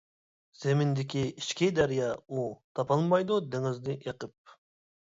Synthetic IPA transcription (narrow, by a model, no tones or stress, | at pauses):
z̥emɪnd̪ɪkʲiiʃkʲʰid̪æɾijɑut̪ʰɑpʰɑlˠmɑjd̪ud̪ɪŋɪzd̪ɪʔeqəp̚